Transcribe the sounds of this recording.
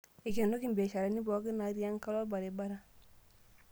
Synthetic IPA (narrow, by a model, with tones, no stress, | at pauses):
i˨ke˨no˦ki˦mbe˨ʃa˨ɾe˨˦ni˦bɔ˨˦ki˦na˨˦ɾi˦a˦ŋka˦lɔ˦ba˨ɾe˨ba˦ɾa˦